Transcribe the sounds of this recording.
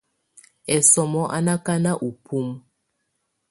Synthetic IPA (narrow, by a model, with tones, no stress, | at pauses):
ɛ˨sɔ˨mɔ˦ʔa̰˦na˦ka˦na˦ʔu˨pʰu˦m